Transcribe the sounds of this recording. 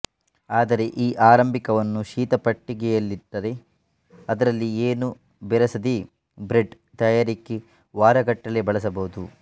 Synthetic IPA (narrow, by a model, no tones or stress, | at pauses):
aːd̪ɐɾe̞ʔiːʔaːɾɐmbʱikɐʋɐnːuʃiːt̪ɐpɐʈːiɡɛjɐlːid̪ːɐɾe̞ | ɐd̪ɐɾɐlːieːnu | bɛɾɐsɐd̪i | bɾeɖ | t̪ɐjaːɾikːe | ʋaːɾɐɡɐʈːɐlebɐɭɐs̬ɐbɐɦud̪u